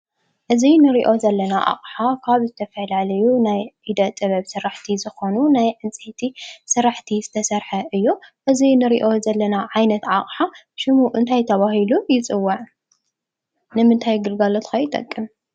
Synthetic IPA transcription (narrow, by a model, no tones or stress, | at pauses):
ʔɨzinɨɾiʔo̞zɐlːɐnaʔa̰χʼħakʰaβzɨt̪ʰɐfɐlalɐjunajʕid̪ɐt̪ʼɨβɐβsɨɾaħt̪ʰizɨxo̞nunajʕɨnt͡sʼet̪ʰisɨɾaħt̪ʰizɨt̪ʰɐsɐɾħɐʔɨjːoʔɨzinɨɾḭʔo̞zɐlːɐnaʕajnɐt̪ʕaχʼħa | ʃɨmuʔɨnt̪ʰajt̪ʰɐβahilujɪt͡sʼɨwːaʕ | nɨmɨnt̪ʰajɡɨlɡalot̪kɐjɪt̪ʼɐ̰kʼːɨm